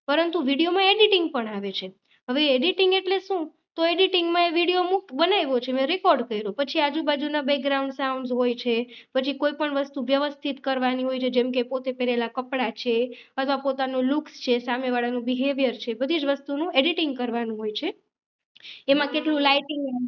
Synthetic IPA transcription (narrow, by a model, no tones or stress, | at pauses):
pəɾənt̪uʋiɽijomãeɖiʈɪŋɡ̚pəɳaʋet͡ʃʰe | ɦəʋeːɖiʈiŋɡeʈleʃũ | t̪oeɖiʈiŋɡmãeʋiɽijomukbənajʋot͡ʃʰemɛ̃ɾekɔɾɖkəiɾõpət͡ʃʰiad͡ʒubad͡ʒunabɛk̚ɡɾauɳɖsauɳzɦojt͡ʃʰepət͡ʃʰikoipəɳʋəst̪uʋjəʋəst̪ʰit̪kəɾʋaniɦojt͡ʃʰed͡ʒɛmkepot̪epɛɾelakəpɽat͡ʃʰeət̪ʰʋapot̪anũlukst͡ʃʰesameʋaɭanũbiɦeʋjəɾt͡ʃʰebəd̪ʱid͡ʒʋəst̪unũeɖiʈɪŋɡkəɾʋanũɦojt͡ʃʰe | emãkeʈlũlaiʈɪŋɡ